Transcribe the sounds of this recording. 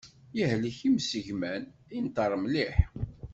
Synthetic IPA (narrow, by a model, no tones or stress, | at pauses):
jihləçimsəʝmænint̪əɾˤmliħ